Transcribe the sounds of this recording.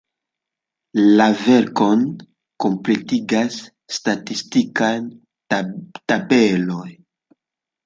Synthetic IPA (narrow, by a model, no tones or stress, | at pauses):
lave̞ɾko̞n | ko̞mple̞tiɡasː | tatistikan | tabelo̞j